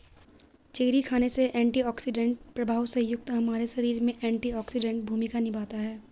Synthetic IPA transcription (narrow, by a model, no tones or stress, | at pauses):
t͡ʃeːɾikʰaːneseʔɛ̃ːɳʈiɔːksɪɖə̃ɳʈ̚pɾɐbʱaːwsɐ̃jʊɡ̚t̪ɦɐmaːɾeʃɐɾiːɾmẽʔɛ̃ːɳʈiɔːksɪɖɛ̃ɳʈbʱuːmɪkanɪbaːt̪aɦɛː